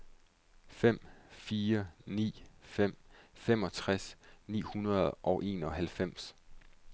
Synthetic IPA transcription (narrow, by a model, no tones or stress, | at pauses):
fem̰fiːɐnḭːfem̰fem̰ɒ̽t͡sʰʁasnḭːhunɐð̩ˠʔɒ̽ʊʔe̝ːnɒ̽ɦælfem̰s